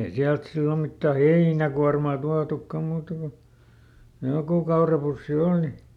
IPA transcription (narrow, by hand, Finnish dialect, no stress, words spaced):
ei siælt silːo mitːæ heinækuɑrmɑˑ tuɑtukːɑm̆ muːtɑ ko jokuˑ kɑurɑpusːi oˑli